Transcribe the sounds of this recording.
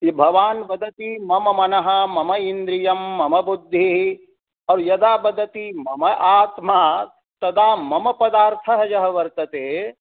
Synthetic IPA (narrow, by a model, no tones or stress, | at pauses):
jibʱɐʋaːnbɐd̪ʱɐt̪imɐmɐmɐnɐɦɐ̆mɐmɐind̪ɾijɐmːɐmɐbud̪ʱːi | ɔːɾjɐd̪aːbɐd̪ʱɐt̪imɐmɐʔaːt̪maː | t̪ɐd̪aːmɐmɐpɐd̪aːɾt̪ʰɐɦɐjɐɦɐʋɐɾt̪ɐt̪eː